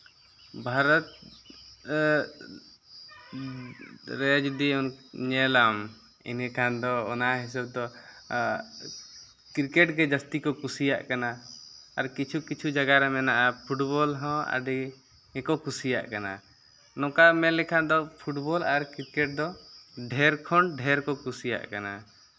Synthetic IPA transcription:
bʱaɾɔt̪̚ | ɾɛd͡ʒud̪iɔnɲɛlam | ḭnɛkʰand̪ɔɔnaɦis̬ɔb̚d̪ɔ | kiɾkɛʈɡɛd͡ʒast̪ikɔkusija̰ʔkanaaɾkit͡ʃʰukit͡ʃʰud͡ʒaɡaɾɛmɛnaʔapʰuʈbɔlɦɔ̃a̰ɖi | ɛkɔkusija̰ʔkana̰ | nɔ̃kamɛlɛkʰad̪ɔpʰuʈbɔlaɾkiɾkɛʈ̚d̪ɔɖʱɛɾkʰɔɳɖʱɛɾkɔkusija̰ʔkana

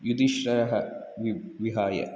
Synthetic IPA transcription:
jud̪iʃɾɐɐɦɐ | ʋʋiɦaːjɐ̰

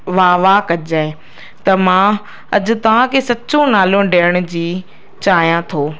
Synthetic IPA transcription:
ʋaːʋakɐd͡ʑaːe | t̪ɐmã | ɐd͡ʑʊ̆t̪ɐʋ̤ãkʰeːsɐt͡ɕõnaːlõɖeəɽ̃ʊ̆d͡ʑiː | t͡ɕaːɦijãt̪ʰoː

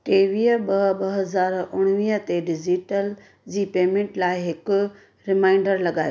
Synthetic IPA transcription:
ʈeːʋiːəɓɐɓɐɦɐzaːɾʊɽ̃ʋiːət̪eɖɪd͡ʑiʈəl | d͡ʑiːpeːmẽːɳʈlaːɪɦɪkʊ | ɾɪmaːɪɳɖəɾlɐɠaːje

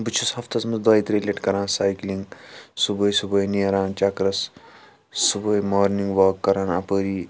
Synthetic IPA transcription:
bɨt͡ʃʰushɐft̪ɐsmɐzd̪aːit̪ɾelʲeːʈkɐɾãːnsaːjkliŋɡsubɐːjsubɐjnijɐɾaːnt͡ʃɐkɾɐsː | ubɐjmoːɾniŋɡʋɐːkːɐɾãːnɐpəːɾiː

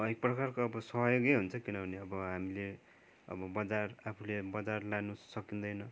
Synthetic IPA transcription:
ʌek̚prʌkarkoʌbʌsʌɦjoɡeɦunt͡sʰʌkinʌbʱʌneʌbʌɦamile | ʌ̰bʌbʌd͡zarapʰulebʌd͡zarlanusʌkind̪ʌjnʌ

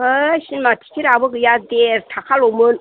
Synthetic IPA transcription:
əɕinmat̪ʰi̥kʰiɾabəɡɯjad̪eɾtʰakʰalomɯn

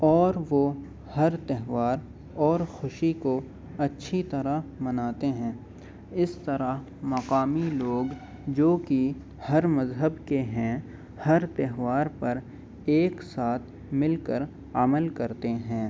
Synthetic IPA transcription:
ɔːɾʋo | hɐɾt̪ɛɦʋaːɾ | ɔːɾxʊʃiko | ɐtːʃʰit̪ɐɾamɐnaːt̪eɦɛ̃ː | ɪst̪ɐɾaɦ | mɐqaːmiloːɡ | d͡ʒoːki | hɐɾmɐzɦəbkeɦɛ̃ | hɐɾt̪ɛɦʋaːɾpɐɾ | eːksaːt̪ʰ | mɪlkəɾ | ə̰məlkɐɾt̪eɦɛ̃ː

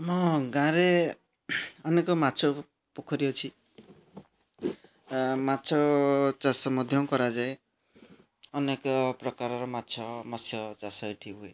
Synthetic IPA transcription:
mɔɡãɾe | ɔnekɔmat͡ʃʰɔ | pokʰɔɾiot͡ʃʰi | mat͡ʃʰɔt͡ʃasɔmɔd̪ʱjɔwkɔɾad͡ʒae | ɔnekɔpɾɔkaɾɔɾɔmat͡ʃʰɔmasʰjɔt͡ʃasɔiʈʰiɦue

